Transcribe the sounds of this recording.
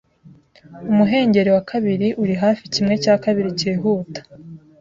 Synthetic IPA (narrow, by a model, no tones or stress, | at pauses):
umuɦe̞ːɲɟe̞ɾewakʰaβiɾiʔuɾiɦaːficimŋe̞caːkaβiɾiceːɦuːtḁ